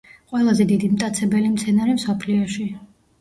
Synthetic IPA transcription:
qʼwɛlˠazɛd̪id̪imt̪ʼat̪sʰɛbɛlimt̪sʰɛnaɾimsɔpʰliɔʃi

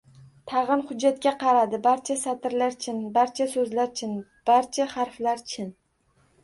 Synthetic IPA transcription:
t̪ʰɑʁɨnhʊd͡ʒːat̪kʲaqʰɑɾad̪ɪbaɾt͡ʃʰasat̪ɪɾlaɾt͡ʃʰɪnbaɾt͡ʃʰasɵzlaɾt͡ʃʰɪnb̥aɾt͡ʃʰahaɾflaɾt͡ʃʰɪn

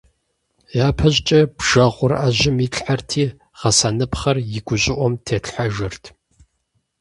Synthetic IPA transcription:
jaːpʰɐʑt͡ʃʼɐb̥ʒ̥ɐʁʷʊraʑɪmiɬʼħartʰiː | ʁɐsaːnɨpχɐrjɪɡʷʊɕʼɪʔʷɔmtʰeːɬħaʒɨrtʰ

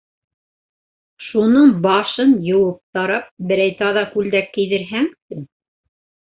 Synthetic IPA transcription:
ʃunɤɴbɑʃɤnjɤ̆wɤp̚t̪ɑɾɑp̚bɘ̆ɾæjt̪ɑðɑkʉld̪ækːĭjðɘ̆ɾɦæŋt̪ɘŋ

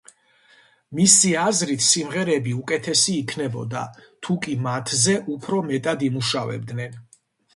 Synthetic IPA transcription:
misiazɾit̪ʰsimʁɛɾɛbiukʼɛt̪ʰɛsiːkʰnɛbɔ̰d̪a̰t̪ʰukʼimat̪ʰzɛʔupʰɾɔmɛt̪ʼad̪imuʃavɛ̰b̚d̪nɛn

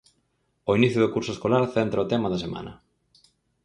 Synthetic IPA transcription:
oiniθjʊðʊkuɾsʊeskolaɾθent̪ɾɐot̪emɐðɐsemã̰nɐ̰

